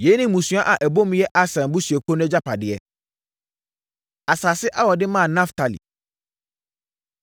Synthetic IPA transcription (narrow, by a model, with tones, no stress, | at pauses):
je˨˦nɪ̃˦mũ˨sũ˨˦a˦ʔa˨ʔɛ˨bo˦m˦jɛ˦ʔa˦sã˨mbʊ˦sɥɛ˨kʰo˦nʊ̃˦ɛ̃˦d͡ʑa˦pʰa˨dɪ˨ɛ˨ | a˨saː˨sɪ˦ʔa˦wɔ˨dɪ˦mãː˦˨nã˦ftʰa˨lḭ˨